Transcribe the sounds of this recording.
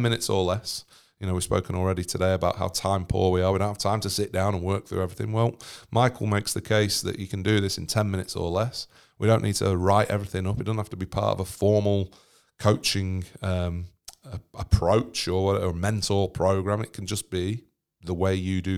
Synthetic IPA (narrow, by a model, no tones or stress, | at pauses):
mɪ̃nɨtsəlɛs | jɨñoʊwəɹspo̰ʊkɪ̃nl̩ˠɹɛɾɪtʰədeɪəbaʊʔhaʊtʰãɪ̃mpʰɔ̰ɹwiə˞widõʊ̃nhḁtʰãɪ̃mtʰəsɪʔ̚d̥ãʊ̃nə̃nwɜ˞k̚θɹʉ̰ɛvɹɪθɪ̰̃ŋwɛlˠmaɪkʰl̩ˠmeɪksðɨkʰeɪsðɨ̰t͡ʃɨkʰndɨðɪsɨ̃ntʰɛ̃nmɪñɪtsə̰˞lɛs | wiɾõʊ̃nʔid̚tʰə̰ɹaɪʔɛ̰vɹɪθɪ̃ŋʌpt̚dʌznhaftəbipʰɑ̰ˑɹtə̰vəfɔɹml̩ˠ | kʰoʊt͡ʃɪ̃ŋʌ̃məəpʰɹ̥oʊt͡ʃə˞wʌɾəmɛ̃ntʰl̩ˠpʰɹ̥oʊɡɹãmɨʔ̚kʰn̩d͡ʒʌsb̥i | ðəweɪjɨdɨ